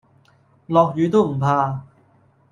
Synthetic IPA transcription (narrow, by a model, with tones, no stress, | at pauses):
lɔː˨˩k̚jyː˨˥t̪o˥m̩˨˩pʰaː˧